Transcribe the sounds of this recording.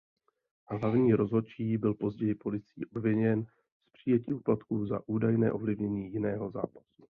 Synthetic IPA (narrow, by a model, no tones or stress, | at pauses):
ɦlavɲiːɾo̞zɦo̞t͡ʃiːbɪlpo̞zɟɛjɪpo̞lɪt͡sḭːʔo̞bvɪɲɛn | spr̥ɪjɛciːʔuplat̪kuːza̰ʔuːdajnɛ̰ːʔo̞vlɪvɲɛɲiːjɪnɛːɦo̞za̰ːpḁsu̥